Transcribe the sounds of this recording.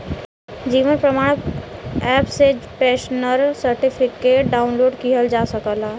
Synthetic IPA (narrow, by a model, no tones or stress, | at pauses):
d͡ʒiːʋənpɾəmaːɽ̃ | ɛːpsed͡ʒpɛːʃnəɾsəɾʈipʰɪkeʈɖaːʊnloːɖkiɦəld͡ʒaːsəkəla